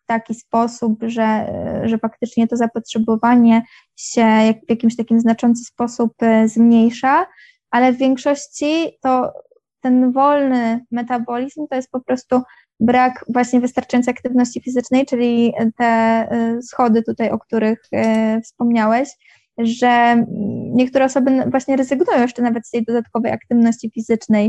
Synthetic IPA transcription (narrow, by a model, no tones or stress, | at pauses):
t̪akʲispɔsupʐɛʐɛfakt̪ɘt͡ʂɲɛt̪ɔzapɔtʂɛbɔvaɲɛ | ɕɛjavʲjakʲimɕt̪akʲimznat͡ʂɔnt̪sɨ̥spɔsupzmɲejʂa | ʔalɛvvʲjeŋkʂɔɕt͡ɕit̪ɔ | t̪ɛnvɔlnɘmɛt̪abɔlʲizmt̪ɔjɛst̪̚pɔpɾɔst̪u | bɾakvwaɕɲɛvɘst̪aɾt͡ʂajɔnt̪jakt̪ɘvnɔɕt͡ɕifʲizɘt͡ʂnɛjt͡ʂɘlʲit̪ɛ | sxɔd̪ɘt̪ut̪ajɔk̚t̪uɾɘxfspɔmɲawɛɕ | ʐɛ | ɲɛkt̪uɾɛɔsɔbɘvwaɕɲɛɾɛzɘɡnujɔ̃w̃jɛʂt͡ʂɛnavɛt̪st̪ɛjd̪ɔd̪at̪̚kɔvɛjakt̪ɘvnɔɕt͡ɕifʲizɘt͡ʂnɛj